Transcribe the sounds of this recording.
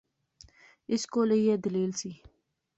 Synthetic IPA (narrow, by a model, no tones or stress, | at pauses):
ɪskoːlejed̪əleːlsi